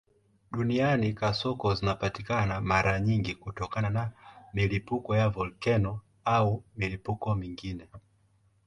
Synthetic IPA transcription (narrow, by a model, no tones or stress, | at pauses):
ɗunianikasɔkɔzinapatikanamaɾaɲiŋɡikutɔkananamilipukɔjavɔlkɛnɔ | aumilipukɔmiŋɡinɛ